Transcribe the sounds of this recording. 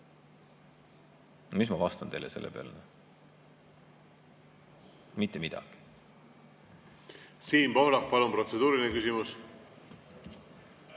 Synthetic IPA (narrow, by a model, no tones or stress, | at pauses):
mismɑkɑst̪ɑnt̪e̞jlese̞lːʔepeɑ̰lne | mit̪ˑːemid̪̥ɑ̰ɡ̥i̥ | siːnpohlɑk̚pɑlumpɾo̞t̪se̞d̪uːɾinekysimus